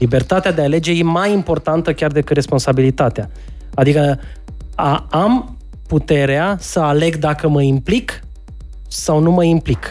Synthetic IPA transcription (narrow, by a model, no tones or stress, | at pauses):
ibe̞rt̪at̪ead̪eale̞d͡ʒe̞je̞majimpo̞rt̪ant̪əkʲard̪e̞kɨt̪re̞spo̞nsabilit̪at̪ea | ad̪ikə | aam | put̪e̞ɾeasəale̞ɡd̪akəməimplik | sawnuməimplik